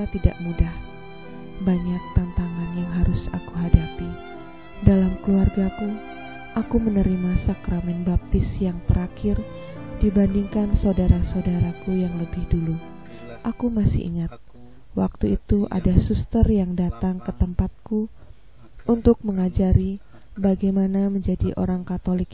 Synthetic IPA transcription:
at̪ida̰ʔmudah | baɲak̚t̪ant̪aŋanjaŋɦaɾʊsakuɦadapi | dalamkluarɡaku | ʔakumənəɾimasakɾamɛnbap̚t̪ɪsjaŋt̪əɾakɪr | dibandiŋkansaudaɾasaudaɾakujaŋləbɪhdulu | ʔakumasɪ̰ḭŋat̪̚ | wak̚t̪uit̪uʔa̰dasust̪ərjaŋdat̪aŋkət̪əmpat̪̚ku | ʔunt̪ʊk̚məŋad͡ʒaɾi | baɡajmanaməɲd͡ʒadiʔo̰ɾaŋkat̪olɪk

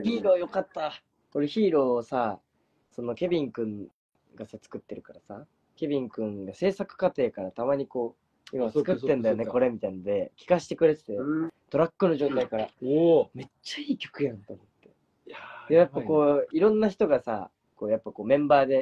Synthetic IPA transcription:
çiːɾoːjo̞kat̪ːa | ko̞ɾeçiːɾo̞ːsa | so̞no̞kʲe̞bʲĩŋkɯ̟̃ŋ | ɡasat͡sɨ̥kɯ̟t̪ːe̞ɾɯ̟kaɾasa | kʲe̞bʲĩŋkɯ̟̃ŋɡase̞ːsakɯ̟̥kat̪e̞ːkaɾat̪amaɲ̟iko̞ː | imat͡sɨ̥kɯːe̞nd̪ajo̞ne̞ko̞ɾe̞mʲit̪ainod̪e̞kʲi̥kaɕi̥t̪e̞kɯ̟ɾe̞t̪e̥t̪et̪o̞ɾakːɯnoʑo̞ːt̪aikaɾame̞t͡ɕːaiːkʲo̞̥kɯ̟jãnt̪omo̞t̪ːe̞̥ | ejapːako̞ːiɾõ̞nːaçi̥t̪o̞ɡasa̰ | ko̞ːjapːako̞ːmẽ̞mbaːd̪e̞

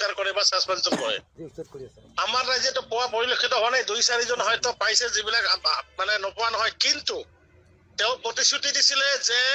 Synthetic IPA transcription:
kaɹkɔɹibasaspɛnsɔnɦɔ̰j | amaɹːajzɛtɔpɔwapɔɹilokʰːitɔɦɔnajdujsaɹizɔnɦɔjtɔpajsɛzibilakamanɛnɔpɔwanɔɦɔjkintu | teʊ̃pɹɔtisutidisilɛzɛ

